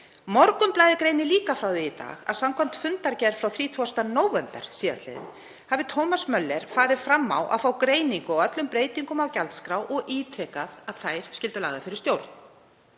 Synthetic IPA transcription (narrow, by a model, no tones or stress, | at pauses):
mɔɾkʏmplaːjðɪkɾejnɪliːkafɾawðɪːt̪a̰ːɣa̰ðsamkʰɔm̥t̪fʏnt̪aɾcɛɾ̥fɾawθɾiːt̪ʰuast̪anoːwvɛmpɛɾ̥siːða̰st̪lḛjðɪ̰n | havɪt̪ʰowmasmœlːɛɾ̥faːɾɪfɾamːa̰wʔa̰ðfawkɾeːjniŋkʏɔɣœt̪lʏmpɾeːjt̪iŋkʏmawcalt̪skɾawʔɔɣʔiːt̪ʰɾɛkaðaðθajɾ̥scɪlt̪ʏlaːɣðafɪɾɪɾ̥st̪jowɾt̪n̥